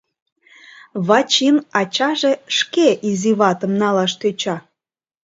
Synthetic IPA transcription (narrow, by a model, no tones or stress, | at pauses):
βɑt͡ɕinɑt͡ɕɑʒeʃkeʔiziβɑt̪əmnɑlɑʃt̪øt͡ɕɑ